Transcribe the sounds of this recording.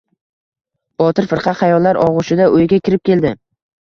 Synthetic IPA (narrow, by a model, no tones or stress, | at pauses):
b̥ɒt̪ɪɾfɪɾqʰɑt̪χɑjɒlːaɾʔɒʁʊʃɪd̪aʔojɪɡʲakʲʰɪɾɪp̚kʲe̞ld̪ɪ